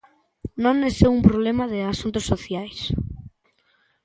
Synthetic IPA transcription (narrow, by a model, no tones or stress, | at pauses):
nõnːesewumpɾoβlemaðeasunt̪osoθjajs